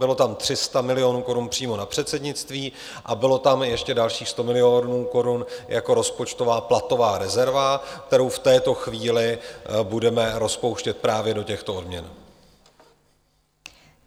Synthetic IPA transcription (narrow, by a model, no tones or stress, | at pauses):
bɪlo̞t̪amt̪r̥ɪst̪amɪlɪo̞nuːko̞ɾunpr̝̥iːmo̞napr̥ɛt̪sɛdɲɪt͡st̪viː | ʔabɪlo̞t̪amjɛʃcɛdalʃiːxst̪o̞mɪlɪo̞nuːko̞ɾunjʔako̞ɾo̞spo̞t͡ʃt̪o̞vaːplat̪o̞vaːɾɛzɛɾvak̚t̪ɛɾo̞wft̪ɛːt̪o̞xviːlɪbudɛmɛɾo̞spo̞wʃcɛt̪̚pɾaːvjɛdo̞cɛxt̪o̞o̞dmɲɛn